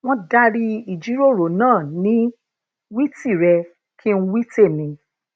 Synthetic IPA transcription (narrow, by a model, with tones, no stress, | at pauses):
w̃ɔ̃˦da˧ɾi˧i˨d͡ʒi˨˦ɾo˦˨ɾo˨˦nãː˦˨nĩ˦ | wi˦ti˦˨ɾɛ˧ | kʰi˦n̩˦wi˦te˦˨nĩ˨˦